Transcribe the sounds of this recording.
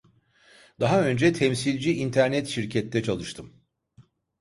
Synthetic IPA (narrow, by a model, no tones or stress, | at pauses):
d̪̥aɦaø̞nd͡ʒɛt̪ʰɛmsilʲd͡ʒiint̪ʰæɾnɛt̪ʃiɾcʰɛt̪ʰːɛt͡ʃʰalˠɯʃt̪ʰɯm